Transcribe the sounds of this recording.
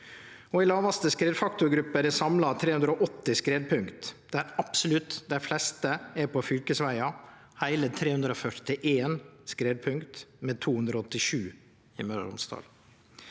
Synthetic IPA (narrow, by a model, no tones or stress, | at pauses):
ɔɪlɑːʋɑst̪əskɾeːd̪fɑkt̪ʊɾɡɾʉpːəɾɛsɑmlɑt̪ʰɾeːhʉnd̪ɾəɔʔɔt̪ːɪskɾeːd̪̚pʰʉŋkt̪d̪̥æɾɑpsɔlʉt̪d̪æɪflɛst̪əæɾpʰɔfʏlkəsʋæɪɑhæɪlət̪ʰɾeːhʉnd̪ɾəɔfœʈʈɪʔeːnskɾeːd̪̚pʰʉŋkt̪met̪ʰuːhʉnd̪ɾɔɔt̪ːɪʂʉː | ɪmœɾ̰ʊ̰nst̪ʰɑ̰ːl